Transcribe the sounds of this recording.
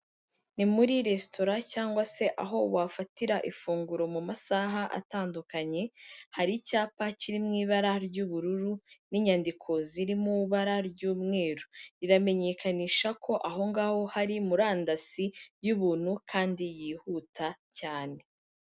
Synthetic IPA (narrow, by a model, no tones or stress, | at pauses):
nimuɾiɾe̞sto̞ɾacaːŋɡwase̞ʔaɦo̞wafatiɾaʔifuːŋɡuɾo̞mumasaːɦaʔa̰taːndukaɲe̞haɾicaːpaciɾimŋiːβaɾaɾɟuβuɾuɾuniɲandikʰo̞ziɾimuβaɾaɾɟuːmŋe̞ːɾuɾiɾame̞ɲe̞kaniːʃakʰo̞ʔaɦo̞ŋɡaːho̞haɾimuɾaːndasijuβuːn̥hukʰaːndijiːhuːtacaːne̞